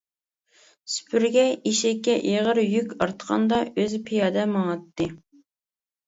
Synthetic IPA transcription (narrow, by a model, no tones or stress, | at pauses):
sy̥pʰyɾɡʲɛʔiʃɛkʲːɛʔeʁəɾjykʲɑɾt̪qʰɑ̰nd̪ɑʔøzpʰijɑd̪ɛmɑŋɑt̪ːɨ